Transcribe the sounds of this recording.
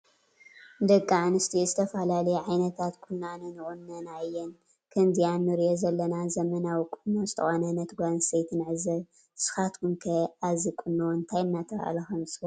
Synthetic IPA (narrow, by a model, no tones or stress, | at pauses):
nd̪ɐkʼːaʕanɨst̪ʰizɨt̪ʰɐfɐlalɐjɛʕajnɐt̪ʰat̪kʰunːanɨnɨʔʼunːɐnajːɛn | kʰɐnzijanːɨɾijozɐlːɐnazɐmɐnawikʼɨnːozɨt̪ʰɐ̰xonɐnɐt̪ʰɡʷanset̪ʰɨnʕɨzɐβ | sɨ̥xat̪kʰunkʰɐazikʼunːoɨnt̪ʰajɨnːat̪ʰɐkʔa̰lɐxɐmsʼo